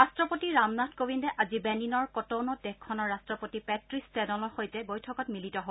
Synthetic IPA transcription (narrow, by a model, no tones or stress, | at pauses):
ɹastɹɔpotiɹamnatʰkobindɛʔazibɛninɔɹkɔtownɔdɛkkʰːɔnɔɹastɹɔpotipɛtɹistɛdɔlɔɹxojtɛbojtʰɔkɔt̚militɔɦo